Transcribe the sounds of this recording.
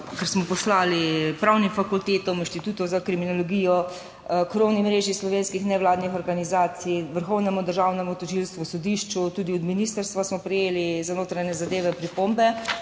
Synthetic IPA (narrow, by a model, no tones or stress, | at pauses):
kɛɾsmɔpɔslaːlipɾawnimfakult̪eːt̪ɔminʃt̪it̪uːt̪ɔwzakɾiminɔlɔɡiːjɔ | kɾownimɾeːʒislɔʋeːnskixnɛʋlaːd̪nixɔɾɡanizaːt̪siʋəɾxɔwnɛmud̪əɾʒaːwnɛmut̪ɔʒilst̪ʋusɔd̪iʃt͡ʃut̪uːd̪iɔd̪minist̪əɾst̪ʋasmɔpɾɛjeːlizanoːt̪ɾaɲɛzad̪eːʋɛpɾipombɛ